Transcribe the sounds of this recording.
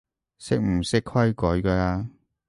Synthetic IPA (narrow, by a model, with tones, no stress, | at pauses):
sɪ˥k̚m̩˨˩sɪ˥kkʰwɐ˥jkɔː˨˥jkɐː˧laː˧